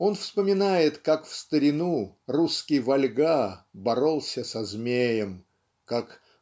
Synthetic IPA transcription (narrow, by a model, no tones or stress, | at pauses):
o̞nfspəmʲɪnajɪt̪kakfst̪əɾʲɪnuruskʲɪjvɐlʲɡabɐɾo̞lˠsʲəsɐzmʲejəm | kak